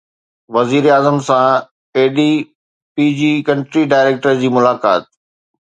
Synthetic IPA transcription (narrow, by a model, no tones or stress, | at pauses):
ʋɐziːɾeaːzəmsã | eːɖi | piːd͡ʑiːkɐ̃ɳʈɾiɖaːɪɾeːk̚ʈəɾd͡ʑiːmʊlaːka̰ːt̪̚